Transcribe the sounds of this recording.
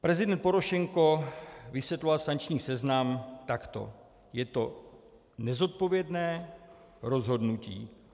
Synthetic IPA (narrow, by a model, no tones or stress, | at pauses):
pɾɛzɪdɛnt̪̚po̞ɾoʃɛŋko̞vɪsjɛt̪lovalsaŋkt͡ʃɲiːsɛznamt̪akt̪o̞̰ | jɛt̪o̞ | nɛzo̞t̪̚po̞vjɛdnɛː | ɾo̞zɦo̞dnucḭː